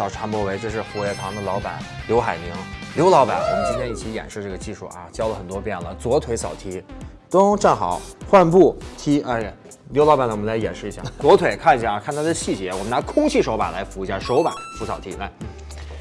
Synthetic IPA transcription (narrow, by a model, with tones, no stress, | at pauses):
ɑ˨˩ʊʈ͡ʂʰa˧˥npwɔ˧˥˩we˧˥ɪʈ͡ʂɤ˥˧ʂ̬ɻ̩˥˧xu˧˥ɛ˧˩pʰɑ˧˥ŋd̪ə˧lɑ˧˥ʊpa̰˨˩˦nljo˧˥ʊxa˨˩ɪmi˧˥ŋljo˧˥ʊlɑ˧˥ʊpa̰˨˩nwɔ̰˨˩mə˦nʰa˥t̪ʰɛ˥˧ni˥˩t͡ɕʰi˧˥jɛ̰˨˩nʂɻ̩˥˧ʈ͡ʂɤ˥˩ɡə˩t͡ɕi˥˧ʂṵ˥˩ʔa̰˧˩t͡ɕjɑ˥ʊlə˨xə˨˩nt̪wɔ˥pjɛ˥˩nlə˩t͡swɔ˧˥t̪ʰwe˧˥ɪsɑ̰˨˩ʊt̪ʰi˧˥ | t̪ʊ˥ʈ͡ʂa˥˩nxɑ˨˩˦ʊxwa˥˧npu˥˩t̪ʰi˧˥ʔa˥˧˩ | ljo˧˥ʊlɑ˧˥ʊpa˨˩nə˧˩wɔ˨m˦la˧˥ɪjɛ̰˨˩nʂɻ̩˥˩i˧˥ɕja˥˩t͡swɔ˧˥t̪ʰwe˨˩ɪkʰa˥˩ni˧˥ɕa˥˩˧kʰa˥˩nt̪ʰa˥d̪ə˨ɕi˥˩t͡ɕjɛ˧˥wɔ˨˩mə˦na˧˥kʰʊ˥ŋt͡ɕʰi˥˩ʂo˧˥ʊpa̰˨˩nla˧˥ɪfu˧˥i˧˥ɕja˥˩ʂo˧˥ʊpa̰˨˩˦nfu˧˥sɑ˨˩t̪ʰi˧˥ʔa˧˩ɪ